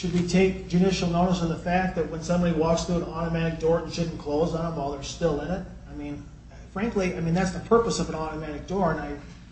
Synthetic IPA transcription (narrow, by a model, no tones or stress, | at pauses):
ʃɨd̚witʰeɪk̚d͡ʒʉɾɪʃl̩ˠnoʊɾəsʌvðəfæk̚ðɨt̚wə̃nsʌ̃mbɑɾiwɔksθɹuə̃nɑɾəmæɾɨk̚d̥ɔɹ̃nʃʊdⁿn̩kʰl̥oʊznə̃mɔlˠðə̥˞stɪlˠɪ̃nɪt̚ | aɪmĩn | fɹæ̃ŋkliaɪmĩnðætsðəpʰɜ˞pəsʌvə̃nɑɾɨmæɾɨk̚d̥ɔɹɨ̃naɪ